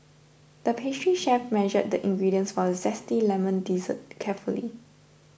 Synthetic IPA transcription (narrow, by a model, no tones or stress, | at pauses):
d̥əpʰestɹiʃɛfmɛnʒəd̚dəʔĩŋɡɹidiə̃nsfɔzɛstilɛmə̃ndizə̰t̚kʰɛfulḭ